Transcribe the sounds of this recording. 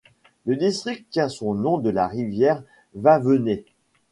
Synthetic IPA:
ləd̪ist̪χik̪̚t̪ːjɛ̃sɔ̃nɔ̃d̪əlaʁivjɛʁ | vavəne

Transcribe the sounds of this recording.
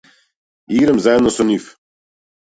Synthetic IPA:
iɡɾəmzajɛd̪nosonʲif

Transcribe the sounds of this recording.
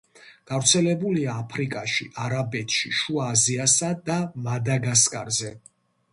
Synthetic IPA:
ɡ̥avɾt̪sʰɛlɛbuliaːpʰɾikʼaʃḭʔaɾabɛt̪ʰʃḭʃuaːziasad̪amad̪aɡaskʼa̰ɾzɛ

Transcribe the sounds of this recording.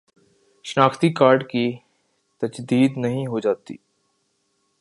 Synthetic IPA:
ʃnaːkʰt̪ikaːɾɖki | t̪ɐd͡ʒd̪iːd̪nɐɦĩɦod͡ʒaːt̪ḭː

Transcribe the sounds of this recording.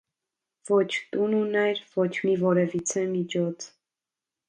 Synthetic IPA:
vɔt͡ʃʰt̪ununɛɾvɔt͡ʃʰmivɔɾɛvit͡sʰɛmit͡ʃʰɔt͡sʰ

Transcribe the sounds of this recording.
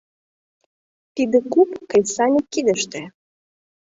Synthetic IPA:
t̪id̪ekupkəjsɑnʲikːid̪əʃt̪ĕ

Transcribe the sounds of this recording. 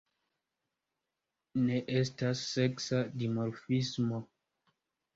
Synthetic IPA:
neʔestasːe̞ksadimoɾfismo

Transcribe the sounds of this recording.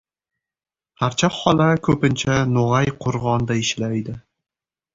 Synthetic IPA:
haɾt͡ʃʰaɒlakʰɵpɪnt͡ʃʰanʊʁajqʰʊɾʁɒnd̪aɪʃlajd̪ɪ

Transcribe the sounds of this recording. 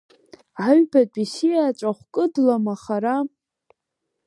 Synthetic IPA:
ʕaɥbat͡pʼisijaːt͡ʃʷʼaχʷkʼɨdlamaχaɾa

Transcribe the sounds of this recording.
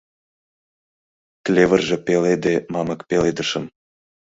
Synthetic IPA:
klʲevə̆rʒĕpeled̪emɑmə̆kpeled̪ə̆ʃə̆m

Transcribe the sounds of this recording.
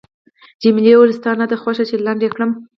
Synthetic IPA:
d͡ʒimɪlewʊləst̪ɑnad̪əxwaʃat͡ʃelaɳɖekɽəm

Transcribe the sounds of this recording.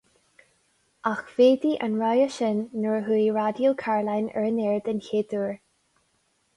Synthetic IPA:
ʔaxv̥eːd̪iʔənɹajəʃɪnːəɹɦuiɹad̪jəlkʰaɹlajnɛ̰ɹənɛɹd̪ənçeːd̪uɹ

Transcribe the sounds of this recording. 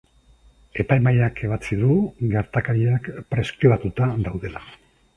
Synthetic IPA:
e̞pajmajakʰe̞β̞at͡siðuɡeɾt̪akaɾiakpɾe̞skɾiβat̪ut̪ad̪awðe̞la

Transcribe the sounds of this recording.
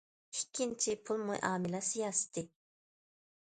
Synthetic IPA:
ikʲʰːint͡ʃʰipʰulˠmṵjʔɑ̰ːmɪlɛsijɑːsɨ̥t̪ʰɪ

